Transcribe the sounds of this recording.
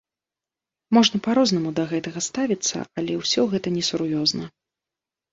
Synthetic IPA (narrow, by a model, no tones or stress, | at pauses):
mɔʐnɐpaɾɔznɐmud̪ɐɣɛt̪ɐɣɐst̪avʲit̪sːɐ̰alʲɛwsʲɔɣɛt̪ɐnʲɛsurjɔznɐ